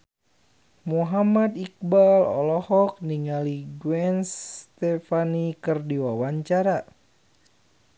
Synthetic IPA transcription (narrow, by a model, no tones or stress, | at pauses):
muɦamad̪ik̚balɔ̰lɔhɔk̚niŋaliɡwɛnst̪ɛfanikɨrdiwawaɲt͡ʃaɾa